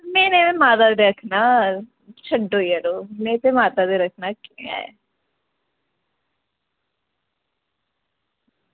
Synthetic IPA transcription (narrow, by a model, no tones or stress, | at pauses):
mɛ̃ːnẽːẽːmaːt̪̬aːd̪eːɾəkʰnaː | t͡ʃʰəɖoːiəɾoːmɛ̃ːt̪eːmaːt̪aːd̪eːɾəkʰnaːkiea̰ːja̰